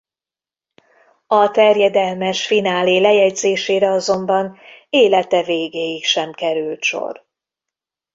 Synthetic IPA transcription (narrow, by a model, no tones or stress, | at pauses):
ɒt̪ɛrjɛd̪ɛlmɛʃfinaːleːlɛjɛɟzeːʃeːɾɛɒzo̞mbɒneːlɛt̪ɛveːɡeːjikʃɛmkɛɾylt̪ʃo̰r